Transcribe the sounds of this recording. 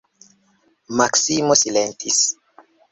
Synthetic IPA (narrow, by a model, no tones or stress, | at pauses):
maksimosilent̪is